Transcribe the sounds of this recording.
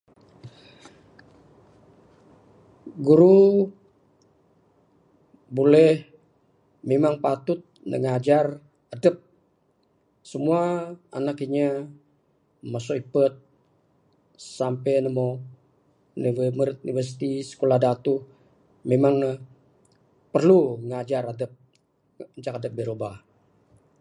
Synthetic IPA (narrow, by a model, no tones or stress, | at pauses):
ɡuɾu | bolɛh | memaŋpat̪ut̪̚nə̰ŋad͡ʒar | adəp̚ | səmuaa̰nakiɲə | masɔipət̪̚ | sampɛnəmo | nivməɾɪt̪̚univərs̬it̪isə̥kolahdat̪u | memaŋnə | pərluŋad͡ʒaɾadəp̚ | əɲt͡ʃakadəp̚bəɾoba